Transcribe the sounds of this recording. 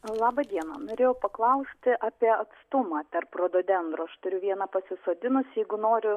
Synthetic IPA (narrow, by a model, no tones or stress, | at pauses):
lˠɑːbɐd̪ʲiɛnɐ̰noːɾʲeːjɛʊpɐklˠɐʊsʲt̪ʲɪʔɑːpʲiɛɐt̪st̪ʊmɑːpʲɛrpɾoːd̪oːd̪ʲɛnd̪ɾoːɐʃt̪ʊɾʲʊʋʲiɛnɐpɐsʲɪsoːd̪ʲɪnʊsjɛɪɡʊnoːɾʲʊ